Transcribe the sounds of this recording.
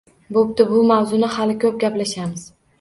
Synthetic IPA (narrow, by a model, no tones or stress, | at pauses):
bop̚t̪ɪbʊmawzʊnɪhalɪkʰʲɵp̚ɡʲaplaʃamɪz̥